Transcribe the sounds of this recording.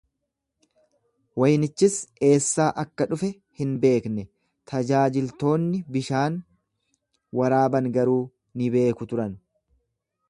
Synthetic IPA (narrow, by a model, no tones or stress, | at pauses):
wɐjnɪt͡ʃːɪse̞ːsːaːʔɐkːɐᶑʊfɛ | hɪnbe̞ːknɛ | t̪ʰɐd͡ʒaːd͡ʒɪlt̪o̞ːnːɪbɪʃaːn | wɐɾaːbɐŋɡɐɾuː | nɪbe̞ːkʊt̪ʊɾɐn